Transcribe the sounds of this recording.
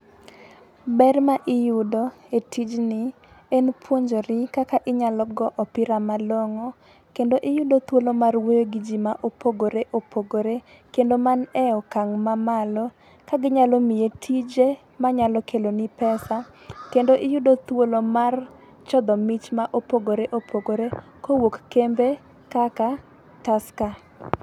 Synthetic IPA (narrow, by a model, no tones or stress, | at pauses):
bɛrmaʔɪjʊdoetʰid͡ʒnɪ | enpʰwoɲd͡ʒoɾɪkakaʔɪɲalɔɡɔʔɔpɪɾamaloŋɔ | kendoʔɪjʊdot̪wolomarwojoɡid͡ʒimaʔopoɡoɾeʔopʰoɡoɾe | kendomanɛɔkaŋmamalɔ | kaɡɪɲalomɪjetʰid͡ʒe | maɲalɔkʰelonɪpɛsa | kendoʔɪjʊdot̪wolomar | t͡ʃɔd̪ɔmɪt͡ʃmaʔopoɡoɾeʔopʰoɡoɾe | kowokːembe | kaka | taska